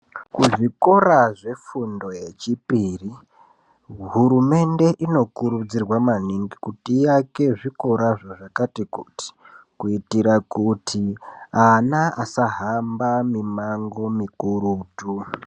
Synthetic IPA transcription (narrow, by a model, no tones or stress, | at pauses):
kuʐiko̞ɾaʐe̞fundo̞je̞t͡ʃipiri | ɦuɾume̞nde̞ʔino̞kuɾud͡zirwamaniŋɡikutijake̞ʐiko̞ɾaʐoʐakatikuti̥ | kuitiɾakutʰianaasaɦambamimaŋɡo̞mikuɾuːtu